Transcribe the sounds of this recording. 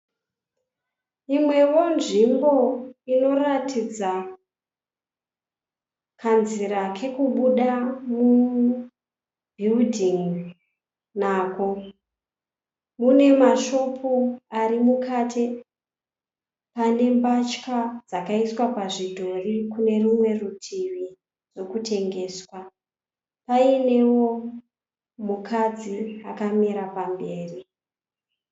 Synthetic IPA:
imwe̞wo̞nʐimbo̞ino̞ratʰid͡za | kʰanziɾakʰe̞kuɓuɗamu | bʱildʱiŋ | naːko̞ | mune̞maʃo̞pʰoaɾimukaːtʰe | pane̞mbat͡ʃkad͡zakaiswapaʐidʱo̞rikune̞rumwe̞rutʰiʋi | d͡zo̞kute̞ŋɡe̞ːswa | paine̞wo̞ | mukʰad͡ziakamiɾapambe̞ːri

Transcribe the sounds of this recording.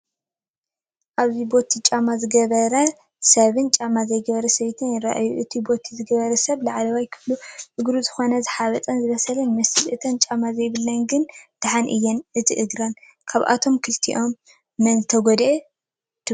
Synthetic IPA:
ʔaβzibo̞t̪ʰit͡ʃʼamazɨɡɐβɐɾɐ | sɐβɨnt͡ʃʼamazɐjɡɐβɐɾɐsɐβt̪ʰɨnjɪɾa̰ʔajuʔɨt̪ʰibo̞t̪ʰizɨɡɐβɐɾɐsɐβlaʕalɐβajkʰɨβluʔɨɡɾuzɨxo̞nɐzɨħaβɐt͡s̪ʼɐnzɨβɐsɐlɐnmɨsɨlʔɨt̪ʰɐnt͡ʃʼamazɐjβɨlːɐnɡɨnd̪̥aħanʔɨjːɛnʔɨt̪ʰiʔɨɡɾan | kʰaβʔa̰t̪ʰo̞mkʰɨlt̪ʰḭʔo̞mː | ɐnzɨt̪ʰɐɡod̪ʔe | t̪ʰ

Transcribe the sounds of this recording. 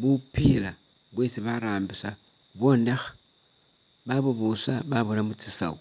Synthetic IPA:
βupila | βwe̞ːsiβaɾaːmbisa | βo̞nexḁ | βaβuβusaβaβulamut͡sisa̰u

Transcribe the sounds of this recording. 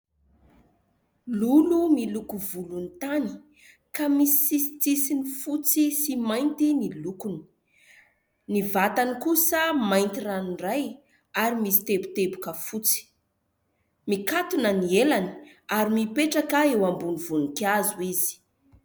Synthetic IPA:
lulumilukuvulunit̪ani̥ | kamisi̥isi̥t͡sisinifut͡sisimajnt̪inilukuni̥ | nivat̪anikusəmajnt̪iraniraj | aɾimisi̥t̪epu̥t̪ebu̥kəfut͡si̥ | mikat̪unənielani̥ | aɾimipeʈ͡ʂakaewambunivunukazuizi̥

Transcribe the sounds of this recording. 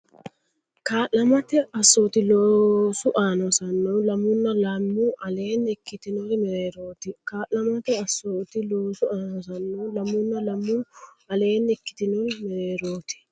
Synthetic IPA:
kaːʔɐmɐt̪ɛɐsːoːt̪ɪloːsʊʔaːnɔsɐnːɔːlɐmʊnːɐlaːmːuʔɐleːnɛkːɪt̪ɪnɔɾmɛɾeːɾo̞ːt̪ɪkaːʔɐmɐt̪ɛɐsːoːt̪ɪloːsʊaːnɔsɐnːoːlɐmːʊnːɐlɐmːu | ɐle̞ːnɛkːɪ̥t̪ɪnɔnmɛɾeːɾoːt̪ɪ̥

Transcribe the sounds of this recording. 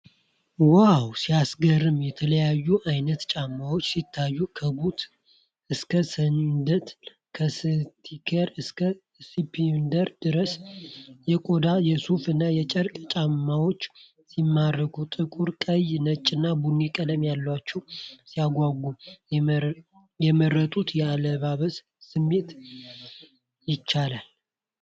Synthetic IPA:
wawsiasɡərːɨmjɛt̪ʰələjajːuʔajnət̪t͡ʃʼamːawo̞t͡ʃːsit̪ʰːajːukʰəbut̪ | ʔɨskʰəsənd̪ət̪ | kʰəst̪ʰikʰeɾɨskʰə | sipʰind̪əɾd̪̥ɨɾəsjɛkʼod̪ajɛsufɨnːajɛt͡ʃʼəɾkʼt͡ʃʼamːawo̞t͡ʃː | simːarːəɡʰut̪ʼɨkʼuɾkʼəjnət͡ʃʼːɪnːabunːikʼəd̪əmjalːwat͡ʃːɛwsijaɡʷaɡu | jɛmərːət̪ʼut̪jɛaləβaβəs | sɨmːe̞t̪ | jɪt͡ʃːalal

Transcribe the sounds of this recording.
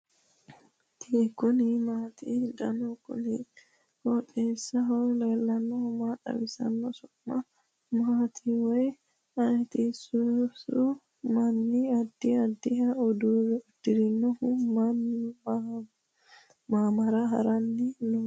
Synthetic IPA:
t̪iɡɔnɪmaːt̪id̪ɐnɔkːɔ̰ni | kɔɗeːsːɐɦɔwleːlːɐnːɔhʊmaᶑɐ̰wɪsɐ̰nːɔsɔʔːɐ | maːt̪ʰiwɔj | ɐjt̪isʊsʊ | mɐnːɪɐd̪ːɪɐd̪ːɪɦɐɔd̪uzɛʊd̪̥ːɪɾɪnːɔhʊmɐnːɪ | maːmɐɾɐɦɐ̰ɾɐnːɪnʊ

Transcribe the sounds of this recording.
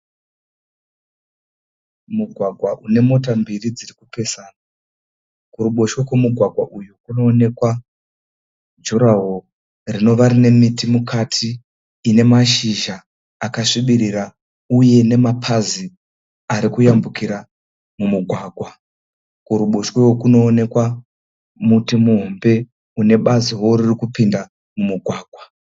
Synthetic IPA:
muɡʱwaɡʱwaʔune̞mo̞t̬ambirid͡zirikupe̞saːna | kuɾuɓo̞ʃokwemuɡʱwaɡʱwaʔujukuno̞ːne̞kwa | d͡ʒuɾaɦo | rino̞ʋaɾine̞mitimukʰatʰiː | ne̞maʃiʒaː | kaʂiɓiɾira | uje̞ne̞mapʰazi | aɾikujambukiɾa | mumuɡʱwaːɡʱwa | kuɾuɓoʃwewokuno̞ːne̞kwa | mutimuɦombe̞ | une̞ɓaziworirikupinda | mumuɡʱwaːɡ̥ʱwa

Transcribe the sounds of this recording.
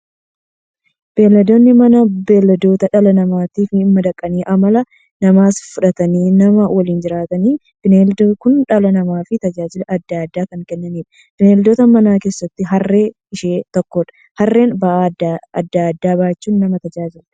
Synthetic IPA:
b̥e̞ːlːɐd̪oːnːɪmɐnɐbe̞ːlːɐd̪o̞ːt̪ɐᶑɐlɐnɐmaːt̪iːfɪɪmːɐd̪ɐkʼːɐniːʔɐmɐlɐ | nɐmaːsfʊᶑɐt̪ɐniːnɐmɐwɐliːnd͡ʒɪɾaːt̪ɐniː | b̥ɪneːld̪okʊnᶑɐlɐnɐmaːfɪt̪ɐd͡ʒaːd͡ʒɪlɐʔɐd̪ːaːd̪ːaːkɐŋkɛnːɐniːᶑɐ̥ | b̥ɪneːld̪oːt̪ɐmɐnaːke̞ːsːɐt̪ːɪɦɐrːe̞ː | ɪʃeːt̪ɔkːoᶑɐ̥ | hɐrːe̞ːnbɐʔadɐd̪ːaːd̪ːaːbaːt͡ʃːuːnːɐmɐt̪ɐd͡ʒaːd͡ʒɪl

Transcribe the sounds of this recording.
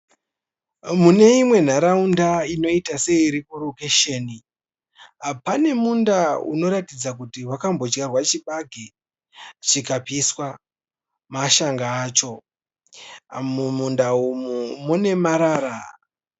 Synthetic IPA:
mune̞imwe̞n̤aɾaundaino̞itase̞ːɾikorukeʃeni | apane̞mundaṵno̞ɾatid͡zakutiwakambo̞d͡ʒɡarwat͡ʃiɓaɡʱi | t͡ʃikapiswa | maʃaŋɡaːt͡ʃo̞ | mumundaumumune̞maɾaːɾa

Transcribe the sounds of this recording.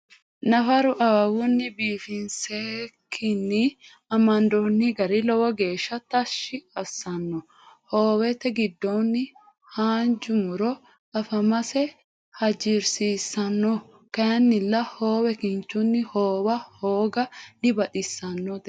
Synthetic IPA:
nɐfɐɾʊʔɐwɐwʊnːɪbiːfɪnsekʰːɪnːɪ | ɐmɐnd̪onːɪɡɐɾɪlɔwɔɡe̞ːʃːɐt̪ɐʃːɪɐsːɐnːɔ | hoːwɛt̪ːɛɡɪd̪ːonːɪ | haːnd͡ʒʊmʊɾɔ | ʔɐfɐmɐsɛ | hɐd͡ʒɪɾsiːsɐnːɔ | kɐjɐnːɪlːɐhoːwɛkɪnt͡ʃːʊnːɪhoːwɐhoːɡɐdɪbɐᶑɪsːɐnːɔd̪ɛ

